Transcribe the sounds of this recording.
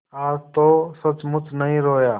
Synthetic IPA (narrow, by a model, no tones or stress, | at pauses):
aːɾt̪oːsət͡ʃmʊt͡ʃnəɦĩːɾoːjaː